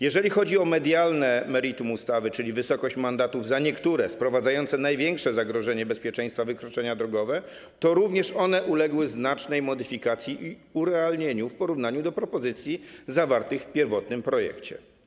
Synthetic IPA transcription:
jɛʐɛlʲixɔd͡ʑiɔmɛd̪ʲjalnɛmɛɾit̪umust̪avɘt͡ʂɘlʲivɘsɔkɔɕt͡ɕmand̪at̪uvzaɲɛkt̪uɾɛspɾɔvad̪zajɔnt̪sɛnajvʲjɛŋkʂɛzaɡɾɔʐɛɲɛbɛspʲjɛt͡ʂɛ̃j̃st̪favɘkɾɔt͡ʂɛɲad̪ɾɔɡɔvɛ | t̪ɔɾuvɲɛʂɔnɛʔulɛɡwɘznat͡ʂnɛjmɔd̪ɘfʲikat̪sʲjiʔiuɾɛalɲeɲufpɔɾuvnaɲud̪ɔpɾɔpɔzɘt̪sʲjizavaɾt̪ɘxfpʲjɛɾvɔt̪nɘmpɾɔjɛ̰kt͡ɕɛ̰

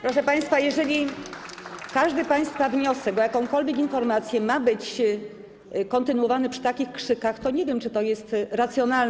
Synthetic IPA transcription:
pɾɔʂɛpaj̃st̪fajɛʐɛlʲi | kaʐd̪ɘpaj̃st̪favɲɔsɛɡɔjakɔ̃w̃kɔlvʲjekinfɔɾmat̪sʲjɛmabɘt͡ɕ | kɔnt̪ɘnuwɔvanɛpʂɘ̥t̪akʲixkʂɘkaxt̪ɔɲɛvʲjɛmt͡ʂɘt̪ɔjɛst̪ɾat̪sʲjɔnal

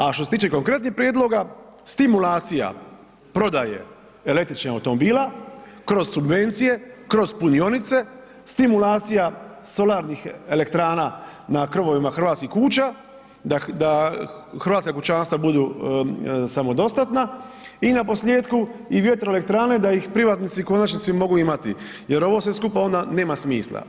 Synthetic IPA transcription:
aʃt̪ose̞t̪iːt͡ʃe̞ko̞ŋkɾe̞t̪niçpɾjeːd̪lˠo̞ɡa | st̪imulaːt̪sija̰ | pɾo̞d̪ajḛ | ele̞k̚t̪ɾit͡ʃnaa̰wt̪o̞mobiːlakɾo̞zsubʋe̞nt̪sije̞kɾo̞zpunio̞nit̪se̞ | st̪imulaːt̪sijaso̞laːɾnixe̞le̞k̚t̪ɾaːnanakr̩ʋo̞ʋimaxɾʋaːt̪skixkut͡ʃa | d̪ad̪axɾʋaːt̪skakut͡ʃaːnst̪abud̪uː | samo̞d̪o̞st̪at̪nainapo̞slʲjeːt̪kuiʋje̞t̪ɾoele̞kt̪ɾaːne̞d̪aixpɾiʋaːt̪nit̪siko̞nat͡ʃnit̪simo̞ɡuimat̪ḭ | je̞ɾo̞ʋo̞sʋeskupao̞nd̪ane̞ːmasmiːslˠa̰

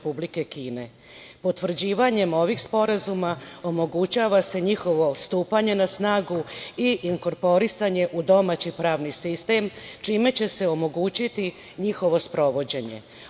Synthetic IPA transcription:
publike̞kiːne̞ | po̞t̪ʋr̩d͡ʑiːʋaɲe̞mo̞ʋiɡspo̞ɾazumao̞mo̞ɡut͡ɕaʋase̞ɲixo̞ʋo̞st̪uːpaɲe̞nasnaːɡuiʔiŋko̞ɾpo̞ɾisaɲe̞ʔud̪o̞maːt͡ɕipɾaːʋnisist̪e̞mt͡ʃiːme̞t͡ɕe̞se̞o̞mo̞ɡut͡ɕit̪i | ɲixo̞ʋo̞spɾo̞ʋo̞d͡ʑe̞ɲe̞̰

